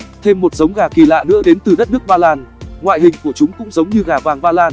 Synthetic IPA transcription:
t̪ʰe˧mːo˨˩t̚z̥ə˨˦wŋ͡mɣaː˧˩ki˧˩la̰ː˧˨nɨ̰˧˥əɗe˨˦nt̪ɨ˨˩ɗə˦˥t̚nɨ˦˥ək̚ɓaː˧laː˧nŋwa̰ː˧˨jɦï˨˩ŋ̟ku˧˩ət͡ɕʊ˨˦ŋ͡mkʊ̰˧˥ŋ͡mzə˨˦wŋ͡mɲɨ˧ɣaː˧˩vaː˨˩ŋɓaː˧laː˧n

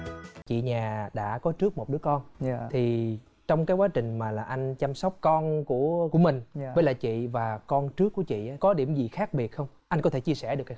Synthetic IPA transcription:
t͡ɕḭ˧˨ɲaː˨˩ɗa̰ː˧˥kɔ˨˦t͡ɕɨ˦˥ək̚mo˨˩t̚ɗɨ˨˦əkɔ˧nt̪ʰi˨˩ | t͡ɕɔ˧wŋ͡mkaː˨˦jkwaː˨˦t͡ɕï˨˩ŋ̟maː˨˩laː˨˩ʔa˧jŋ̟t͡ɕa˧msɔ˦˥wk͡p̚kɔ˧nku˧˩əku˧˩əmï˨˩ŋ̟ə˨˦laː˨˩t͡ɕḭ˧˨vaː˨˩kɔ˧nt͡ɕɨ˦˥əkːu˧˩ət͡ɕḭ˧˨ʔaː˨˦kɔ˨˦ɗi˧˩əmzi˨˩xaː˦˥k̚ɓi˨˩ət̚xə˧wŋ͡mʔa˧jŋkɔ˨˦t̪ʰe˧˩t͡ɕi˧əsɛ˧˩ɗɨ˨˩əkːa˨˦

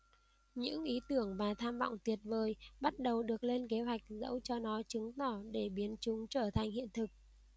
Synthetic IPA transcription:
ɲɨ̰˧˥ŋʔi˨˦t̪ɨ˧˩əŋvaː˨˩t̪ʰaː˧mvɔ̰˧˨wŋ͡mt̪wi˨˩ət̚vəː˨˩jɓa˦˥t̚ɗə˨˩wɗɨ˨˩ək̚le˧nke˨˦ɦwa˨˩jk̟̚zə̰˧˥wt͡ɕɔ˧nɔ˨˦t͡ɕɨ˨˦ŋt̪ɔ˧˩ɗe˧˩ɓi˨˦ənt͡ɕʊ˨˦ŋ͡mt͡ɕəː˧˩t̪ʰa˨˩jŋ̟hḭ˧˨ənt̪ʰɨ˨˩k̚

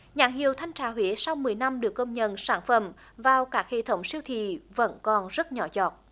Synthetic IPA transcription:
ɲaː˧˩ŋhḭ˨əwt̪ʰa˧jŋ̟t͡ɕaː˧˩ɦwi˧˨˦əsa˧wmɨ˨˩əjna˧mɗɨ˨˩əkːə˧wŋ͡mɲə̰˧˨nsaː˧˩nfə˧˩m | vaː˨˩wkaː˦˥k̚hḛ˧˨t̪ʰə˨˦wŋ͡msi˧əwt̪ʰḭ˧˨və̰˧˥nkɔ˨˩nzə˦˥t̚ɲɔ˨˦zɔ˨˩t̚

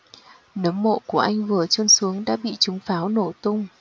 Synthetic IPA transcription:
nə˨˦mːo̰˧˨ku˧˩əʔa˧jŋ̟vɨ˨˩ət͡ɕə˧nsu˨˦əŋɗa̰ː˧˥ɓḭ˧˨t͡ɕʊ˨˦ŋ͡mfaː˨˦wno˧˩t̪ʊ˧ŋ͡m

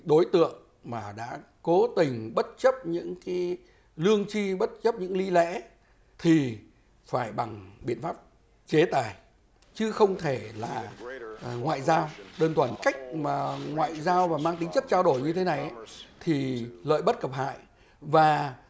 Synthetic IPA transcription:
ɗo˨˦jt̪ɨ̰˧˨əŋ | maː˨˩ɗa̰ː˧˥ | ko˨˦t̪ï˨˩ŋ̟ɓə˦˥t̚t͡ɕə˦˥p̚ɲɨ̰˧˥ŋkaː˨˦j | lɨ˧əŋt͡ɕi˧ɓə˦˥t̚t͡ɕə˦˥p̚ɲɨ̰˧˥ŋli˧lɛ̰˧˥ | t̪ʰi˨˩ | faː˧˩jɓa˨˩ŋɓḭ˧˨ənfaː˦˥p̚ | t͡ɕe˨˦t̪aː˨˩j | t͡ɕɨ˨˦xə˧wŋ͡mt̪ʰe˧˩laː˨˩ | ŋwa̰ː˧˨jzaː˧wɗəː˧nt̪ʰwaː˧˩nka˦˥jk̚maː˨˩ŋwa̰ː˧˨jzaː˧wvaː˨˩maː˧ŋt̪ï˨˦ŋ̟t͡ɕə˦˥t̚t͡ɕaː˧wɗo˧˩jɲɨ˧t̪ʰe˨˦na˨˩jʔa˦t̪ʰi˨˩lə̰ː˧˨jɓə˦˥t̚kə˨˩p̚ɦa̰ː˧˨j | vaː˨˩

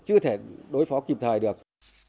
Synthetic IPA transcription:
t͡ɕɨ˧ət̪ʰe˧˩ɗo˨˦jfɔ˨˦ki˨˩p̚t̪ʰəː˨˩jɗɨ˨˩ək̚

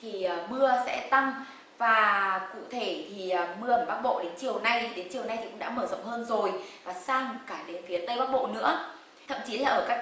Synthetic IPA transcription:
t̪ʰi˨˩əː˨˩mɨ˧əsɛ̰˧˥t̪a˧ŋ | vaː˨˩kṵ˧˨t̪ʰe˧˩t̪ʰi˨˩əː˨˩mɨ˧əʔə˧˩mɓaː˦˥k̚ɓo̰˧˨ɗe˨˦nt͡ɕi˨˩əwna˧jti˨˩ɗe˨˦nt͡ɕi˨˩əwna˧jt̪ʰi˨˩kʊ̰˧˥ŋ͡mɗa̰ː˧˥məː˧˩zə̰˧˨wŋ͡mhəː˧nzo˨˩jvaː˨˩saː˧ŋkaː˧˩ɗe˨˦nfi˨˦ət̪ə˧jɓaː˦˥k̚ɓo̰˧˨nɨ̰˧˥ə | t̪ʰə̰˧˨mt͡ɕi˨˦laː˨˩ʔəː˧˩kaː˦˥

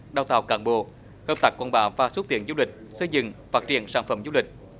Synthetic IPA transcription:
ɗaː˧wt̪aː˧˨˩wkaː˧˩nɓo̰˧˨ | həː˧p̚t̪a˨˩kwaː˧˩nɓa̰ː˨˩vaː˧˩s̚t̪i˧˩ənzu˧wlï˨˩k̟̚sə˧jzɨ̰˧˨ŋfaː˦˥t̚t͡ɕḭ˧˩ənsaː˧˩nfə˧˩mzu˧wlï˨˩k̟̚

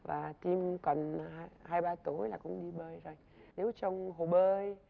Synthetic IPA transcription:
vaː˨˩t̪i˧mkə˨˩nː˧ɦaː˧jɓaː˧t̪o˨˦jlaː˨˩kʊ̰˧˥ŋ͡mɗi˧ɓəː˧jzo˨˩j | ne˨˦wt͡ɕɔ˧wŋ͡mɦo˨˩ɓəː˧j

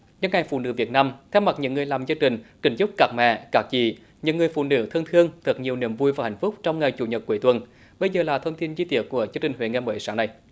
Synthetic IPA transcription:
ɲɨ̰˧˥nŋa˨˩jfṵ˧˨nɨ̰˧˦vi˨˩ət̚naː˧mt̪ʰɛ˧wma˨˩t̚ɲɨ̰˧˥ŋːɨ˨˩əjlaː˨˩mzə˧ŋt͡ɕï˨˩ŋ̟kï˨˩˦ŋ̟t͡ɕʊ˦˥k͡p̚kaː˨˩k̚mɛ̰˧˩kaː˨˩k̚t͡ɕḭ˧˩ | ɲɨ̰˧˥ŋɨ˨˩əjfṵ˧˨nɨ̰˧˥t̪ʰə˧ŋt̪ʰɨ˧əŋt̪ʰɨ˨˩k̚ɲi˨˩əwni˧˩əmvu˧jvaː˨˩ha̰˨˧˩jŋ̟fʊ˦˥k͡p̚t͡ɕɔ˧wŋ͡mŋa˨˩jt͡ɕṵ˧˦ɲə˨˩t̚kwəjt̪wə˨˩n | ɓə˧jzəː˨˩laː˨˩t̪ʰə˧wŋ͡mt̪i˧nzi˧t̪i˧˩ət̚ku˧˩əzɨ˧ŋt͡ɕï˨˩ŋwḛ˧˨˦ŋɛ˧mə̰˧˨˦jsaː˧˦ŋna˨˩j

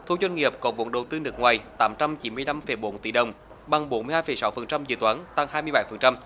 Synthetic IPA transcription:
t̪ʰu˧˩zwa˧jŋ̟ŋi˨˩əp̚kɔ˨˩nvṵ˧˨əŋɗə˨˩wt̪ɨ˧nɨ˨˩k̚ŋwaː˨˩jt̪aː˨˦mt͡ɕa˧mt͡ɕi˨˦mɨ˧əjla˧mfə˨˧˩jɓo˨˦nt̪i˧˩ɗə˨˩wŋ͡m | ɓa˨˩ŋɓo˨˦nmɨ˧haː˧jfə˨˩jsa˨˦wfə˨˩nt͡ɕa˧mzɨ̰˧˩t̪waː˨˦nt̪a˧ŋhaː˧jmɨ˧əjɓa˧˦jfə˨˩nt͡ɕa˧m

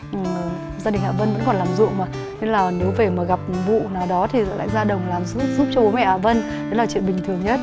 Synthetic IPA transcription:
ʔɨ˨˩ | zaː˧ɗï˨˩ŋ̟ʔaː˨˩və˧nvə̰˧˥nkɔ˨˩nlaː˨˩mzṵ˧˨əŋmaː˨˩ | ɲɨ˧ŋlaː˨˩ne˨˦wve˨˩maː˨˩ɣa˨˩p̚vṵ˧˨naː˨˩wɗɔ˨˦t̪ʰi˨˩˨la̰ː˧˨jzaː˧ɗə˨˩wŋ͡mlaː˨˩mz̚zu˦˥p̚t͡ɕɔ˧ɓo˨˦mɛ̰˧˩ʔaː˨˩və˧n | ɗə˨˦laː˨˩t͡ɕwḭ˧˨ənɓï˨˩ŋ̟t̪ʰɨ˨˩əŋɲə˦˥t̚

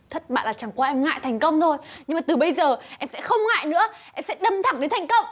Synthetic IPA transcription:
t̪ʰə˦˥t̚ɓa̰ː˧˨nlaː˨˩t͡ɕa˨˩ŋkwaː˧ʔɛ˧mŋa̰ː˧˨jt̪ʰa˨˩jŋ̟kə˧wŋ͡mt̪ʰo˧jɲɨ˧ŋmaː˨˩t̪ɨ˨˩ɓə˧jzəː˨˩ʔɛ˧msɛ̰˧˥xə˧wŋ͡mŋa̰ː˧˨jnɨ̰˧˥əʔɛ˧msɛ̰˧˥ɗə˧˩mt̪ʰa˨˧˩ŋɗe˨˦nt̪ʰa˨˩ŋ̟kə˧wŋ͡m

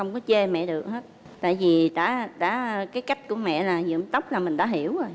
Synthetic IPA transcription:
xə˧wŋ͡mkɔ˨˦t͡ɕe˧mɛ̰˧˨ɗɨ˨˩ək̚həː˦˥t̚ | t̪a̰ː˧˨jvi˨˩ɗa̰ː˧˥ɗa̰ː˧˥kaː˨˦jka˦˥jk̟̚ku˧˩əmɛ̰˧˨laː˨˩zɨ̰˧˨əmt̪ə˦˥wk͡p̚laː˨˩mï̟˨˩ɗa̰ː˧˦ɦi˧˩əwo˨˩j

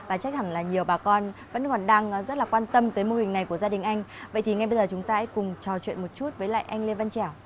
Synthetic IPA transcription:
vaː˨˩t͡ɕa˦˥k̪̚ʰa˧˩ŋlaː˨˩ɲi˨˩əwɓaː˨˩kɔ˧nvə̰˧˥nkɔ˨˩nɗaː˧ŋzə˦˥t̚laː˨˩kwaː˧nt̪ə˧mt̪əː˨˦jmo˧hï˨˩ŋ̟na˨˩jku˧˩əzaː˧ɗï˨˩ŋ̟ʔa˧jŋ̟və̰˧˨jt̪ʰi˨˩ŋa˧jɓə˧zəː˨˩t͡ɕʊ˨˦ŋ͡mt̪aː˧ʔɛ˧˥jkʊ˨˩ŋ͡mt͡ɕɔ˨˩t͡ɕwḭ˧˨ənmo˨˩t̚t͡ɕu˦˥t̚vəː˨˦jla̰ː˧˨ʔa˧jŋ̟li˧va˧nt͡ɕɛ˧˩w

